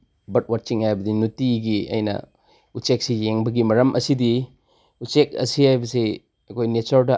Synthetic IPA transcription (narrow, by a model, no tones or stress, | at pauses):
bɐt̚wat̚t͡ʃiŋhajbɐdinutiɡiɐ̰jnɐ̰ | utt͡ʃek̚sijeŋbɐɡimɐɾɐmʔɐsidi | utt͡ʃek̚ɐ̰sihajbɐse | ɐkʰojnet͡ʃɐɾdɐ